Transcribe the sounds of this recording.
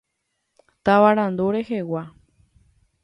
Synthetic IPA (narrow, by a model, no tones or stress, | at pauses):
t̪aʋaɾãnd̪oɾehewa